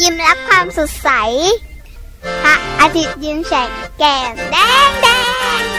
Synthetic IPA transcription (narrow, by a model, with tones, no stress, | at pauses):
ji˧mɾa˦˥p̚kʰwaː˧msu˨˩t̪̚sa˩˦j | ha˨˩ʔaː˧t̪ʰi˦˩t̪̚jɯ˧ŋsa˨˩kɛː˨˩ŋdɛː˧˥˩ŋdɛː˧˩